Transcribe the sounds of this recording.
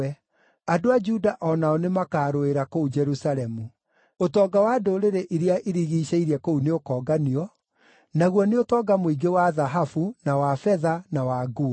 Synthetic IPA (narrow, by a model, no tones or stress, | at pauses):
ɛ | adoad͡ʒudaʔɔnaɔnemakaːɾoeɾakoud͡ʒɛɾusaɾɛmu | otɔːɡawadoɾeɾeʔiɾeaʔeɾiɣiːɕeiɾiɛkouneokɔːɡaniɔ | naɣwɔneotɔːɡamoiɡewaðaɦafunawafɛðanawaɡo